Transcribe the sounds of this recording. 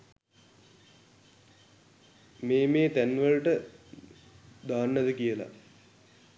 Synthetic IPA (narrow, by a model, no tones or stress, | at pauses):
meːmeːt̪ænʋəɭʈə | d̪aːnːɐd̪əkijəla̰